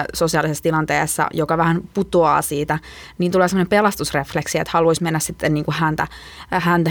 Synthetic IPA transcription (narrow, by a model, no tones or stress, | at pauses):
sosiɑlisesːt̪ilɑnt̪ḛːsːɑ̰jokɑʋæhænput̪oɑ̰ːsiːt̪æ | niːnt̪uleːsemːonempelɑst̪usrefleksiḛt̪hɑluoismenːæssit̪ːenniːŋkuhænt̪æ | hænt̪æ